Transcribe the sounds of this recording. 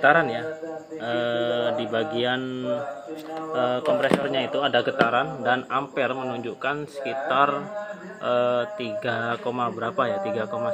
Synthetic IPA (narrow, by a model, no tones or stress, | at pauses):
ɡət̪aɾanja | ədibaɡian | əːkɔmpɾesɔrɲait̪uadaɡət̪aɾandanampɛrmənuɲd͡ʒukansə̥kit̪ar | ʔət̪iɡakomabəɾapajat̪iɡakoma